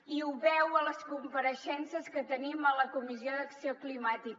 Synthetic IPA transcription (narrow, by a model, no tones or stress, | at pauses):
iuβɛwələskumpəɾəʃɛnsəskət̪ənimələkumizioðəksioklimat̪ik